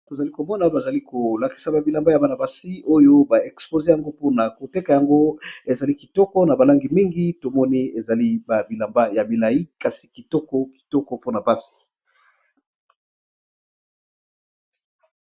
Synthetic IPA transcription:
to˨za˨li˦ko˨mɔ˦na˨ba˨za˨li˦ko˨la˨ki̥˨sa˨ba˨bi˨la˨mba˦ja˨ba˦na˨ba˨si˦o˦jo˦ba˨ɛ˨kspo˨ze˦ja˨ŋɡo˦po˦na˨ko˨te˦ka˨ja˨ŋɡo˦e˨za˨li˦ki˨tɔ˦kɔ˦na˨ba˨la˦ŋɡi˨mi˦ŋɡi˦to˨mɔ˦ni˦e˨za˨li˦ba˨bi˨la˨mba˦ja˨bi˨la˨ji˦ka˨si̥˨ki˨tɔ˦kɔ˦ki̥˨tɔ˦kɔ˦po˦na˨pa˦si̥˨

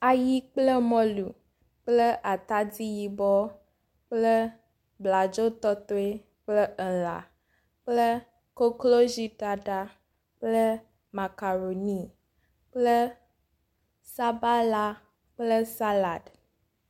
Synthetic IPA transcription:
a˨ji˦k͡plə˦mɔ̃˦lu˨ | k͡plə˦ʔa˨t̪a˦di˦ji˦bɔ˦ | k͡plə˦ | bla˨d͡ʒo˦t̪ɔ˦t̪o˦e˦ | k͡plə˦ə˨la̰˨ | k͡plə˦ | ko˦klo˦zi˦ta˨ɖa˦ | k͡plə˦ | ma˨ka˨ɾo˨ni˦ | k͡plə˦ | sa˦ba˦la˦ | k͡plə˦sa˦la˨d

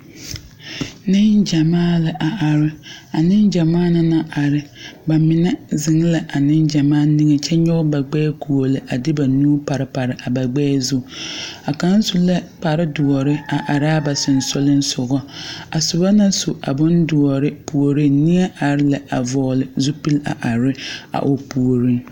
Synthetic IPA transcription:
nɪ˦nd͡ʒa˨maː˦lɪ˦ʔa˨ʔa˨ɾɪ˦a˨nɪ˦nd͡ʒa˨maː˦na˨na˦a˨ɾɪ˨ba˨mɪ˨nɛ˦zɪ˨ŋ˦la˨ʔa˨nɪ˦nd͡ʒa˨maː˦nɪ˦ŋɛ˨t͡ʃɛ˦ɲɔ˦ba˨ɡ͡bɛː˦ku˨o˨lɪ˨ʔa˨dɪ˦ba˨nuː˦pa˨ɾɪ˨pa˨ɾɪ˨ʔa˨ba˨ɡ͡bɛː˦zu˦a˨ka˨˦n˦sʊ˦lɛ˦k͡pa˨ɾɪ˦dʊ˨ɔ˨ɾɪ˦a˨ʔa˨ɾɪ˦a˦ba˨sʊ˨n̩˨sʊ˦lɪ˦n˦sʊ˨ɣɔ˦a˨sʊ˨ba˦na˦sʊ˨ʔa̰˨bʊ˦ndʊ˨ɔ˨ɾɪ˦pu˨o˨ɾɪ˦ni˦a˦ʔa˨ɾɪ˦la˨ʔa˨vɔː˨lɪ˨zu˦pi˦la̰˨ʔa˨ɾɪ˦a̰˨ʔo˨pu˨o˨ɾɪ˦ŋ

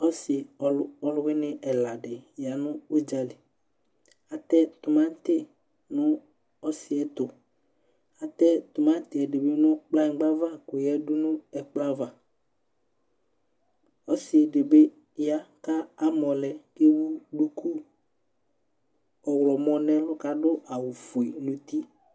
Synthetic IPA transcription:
ɔ˦sɪ˨˦ɔ˦lʊ˦wɪ˦nɪ˦ʔɛ˨la˨dɪ˨ja˨nʊ̃˦o˦d͡ʒa˨lɪ˨ | a˨t̪ɛ˦t̪ʊ˨mã˦n˦t̪ɪ˦ | nʊ˦ | ɔ˦sɪ˨ɛ˨t̪ʊ˨ | a˨t̪ɛ˦t̪ʊ˨mã˦n˦t̪ɪ˨ɛ˨dɪ˨be˦nʊ̃˦k͡pla˦˨˦ɡ͡ba˦va˦kʊ˨jɛ˦dʊ˦nʊ̃˦ɛ˨k͡pla˦va˨ | ɔ˦sɪ˨ɛ˨de˨be˦ | ja˦ka˦a˨mɔ˨lɛ˨ke˦wu˦ɖu˦ku˦ | ɔ˨wlɔ˨mɔ˨nɛ̃˦lʊ˦ka˦dʊ˦ʔa˨wu˨fu˨e˨nʊ̃˨t̪i˦

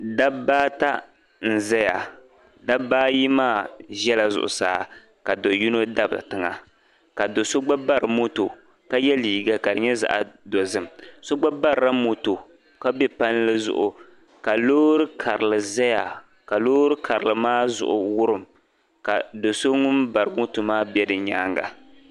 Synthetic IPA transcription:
da˦baː˦ta˦ | n̩˨zɛ˦ja˨ | da˦baː˦ji˦maː˦˨ʒɛ˦la˨zʊ̰˨ʔʊ̰˨saː˦˨˦ | ka˨do˨ju˦no˦da˦ba̰˨tɨ˨ŋa̰˨ | ka˨do˨so˦ɡ͡ba˦ba˦ɾɨ˨mo˦to˨ | ka˦jɛ˦liː˨ɡa˦ka˨dɨ˨ɲɛ˦za̰˨ʔa̰˨do˨zɨ˦mso˦ɡ͡ba˦ba˦ɾɾa˦mo˨to˨ | ka˦bɛ˦pa˦n˦lɨ˦zʊ̰˨ʔʊ˨ | ka˨loː˦ɾɨ˦kʰa˨ɾɨ˨lɨ˨za˦ja˨ | ka˨loː˦ɾɨ˦kʰa˨ɾɨ˨lɨ˨maː˦zʊ̰˨ʔʊ̰˨wʊ˦ɾɨ˨m | ka̰˨do˨so˦ŋʊ˦mba˨ɾɨ˨˦mo˦to˨maː˦bɛ˦dɨ˨ɲaː˦ŋɡa̰˨

